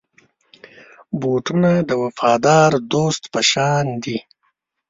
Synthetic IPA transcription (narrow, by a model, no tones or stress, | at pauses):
boʈunad̪əwafɑːd̪ɑːɾd̪ost̪pəʃɑːnd̪i